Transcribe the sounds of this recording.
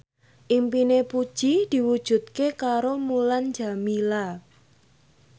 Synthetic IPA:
ʔimpinepud̥ʒ̥id̪̥i̤wud̥ʒ̥ṳt̪̚kekaɾomuland͡ʒa̤mila

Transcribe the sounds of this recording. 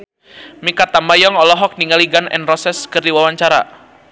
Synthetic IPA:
mikat̪ambajɔŋɔlɔɦɔk̚niŋaliɡanɛ̰nrɔsɛskərdiwawaɲt͡ʃaɾa̰

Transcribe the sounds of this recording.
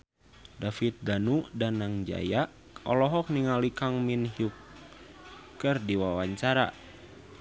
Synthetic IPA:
dafit̪̚danudanaŋd͡ʒa̰ja | ɔlɔɦɔk̚niŋalikaŋminɦiuk | ɨrdiwawaɲt͡ʃaɾa̰

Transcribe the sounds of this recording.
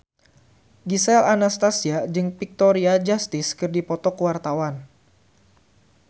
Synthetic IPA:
ɡisɛlanast̪asiad͡ʒɨŋpik̚t̪ɔɾiad͡ʒast̪ɪskɨrdipɔt̪ɔkuwart̪awan

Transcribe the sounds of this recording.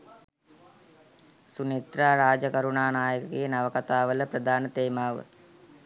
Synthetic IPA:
sunit̪ɾaːɾaːd͡ʒəkɐɾuɳaːnaːjəkɐkejənɐʋəkɐt̪aːʋələpɾɐd̪ʱaːnət̪eːmaːʋə̰

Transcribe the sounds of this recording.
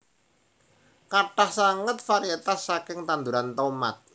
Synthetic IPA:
kaʈahsaŋət̪̚faɾiet̪asːakɪŋt̪and̪uɾant̪oma̰t̪̚

